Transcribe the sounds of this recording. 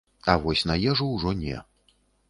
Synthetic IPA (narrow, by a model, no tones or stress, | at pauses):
ɐvɔsʲnɐjɛʐuwʐɔnʲɛ̰